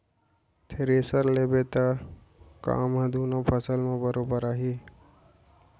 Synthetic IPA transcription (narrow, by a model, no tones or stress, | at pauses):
t̪ʰeɾeːsəɾlebet̪a | ka̰ːmɦɐ̃d̪ʱunõpʰəsəlmẽbəɾoːbəɾaːɦi